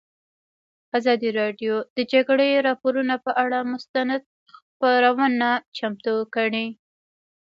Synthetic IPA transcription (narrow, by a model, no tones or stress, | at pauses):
azɑd̪iɾɑɖjod̪̥əd͡ʒaɡɽeɾɑpoɾunapəʔaɽamʊst̪anad̪̚ | xpaɾawənat͡ʃamt̪ukəɽi